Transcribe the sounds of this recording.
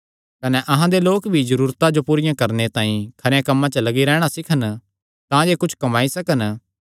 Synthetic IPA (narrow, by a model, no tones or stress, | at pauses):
kɐnɛʔɐɦãd̪eloːkbʱizɐɾuːɾt̪ad͡ʒopuːɾɪjãkɐɾnet̪ãːĩkʰɐɾejãkɐmːãt͡ʃəlɐɡiɾɛːɽ̃asɪkʰən | t̪ãjeːkʊt͡ʃʰkɐmaːisɐkən